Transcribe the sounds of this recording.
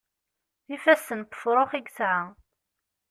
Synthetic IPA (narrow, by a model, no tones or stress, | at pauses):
θifæsːənt̪ə̥fɾˤoχiɡsʕa